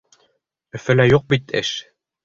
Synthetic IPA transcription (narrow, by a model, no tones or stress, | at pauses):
ɵ̆fɘ̆læjuq̚bit̪ɘ̰ʃ